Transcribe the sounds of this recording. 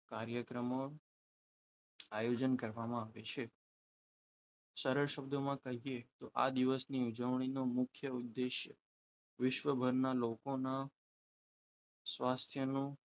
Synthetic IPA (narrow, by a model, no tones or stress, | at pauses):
kaɾjəkɾəmo | ajod͡ʒənkəɾʋamãaʋet͡ʃʰe | səɾəɭʃəb̚d̪omãkəɦiet̪oʔa̰d̪iʋəsniud͡ʒəʋɳ̃inomʊkʰjəud̪ːeʃjə | ʋɪʃʋəbʱəɾnalokona | sʋast̪ʰjənũ